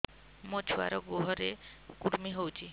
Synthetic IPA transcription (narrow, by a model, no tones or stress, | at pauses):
mot͡ʃʰua̰ɾɔɡoɦɔɾe | kuɾmiɦowt͡ʃʰi